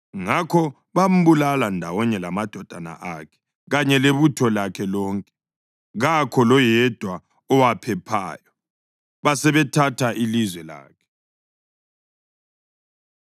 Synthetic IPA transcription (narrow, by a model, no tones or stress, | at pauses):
ŋakʰɔ | βam̩βulalandʱawɔɲɛlamad̥ʱɔd̥ʱana̰ʔakʰɛ̥ | ɣaɲɛleβutʰɔlakʰɛlɔːŋkʼɛ̥ | ɣakʰɔlɔjɛd̥ʱwa | ɔwapʰɛpʰa̰ːjɔ | βasɛβɛtʰatʰaʔilizwɛla̰ːkʰɛ̥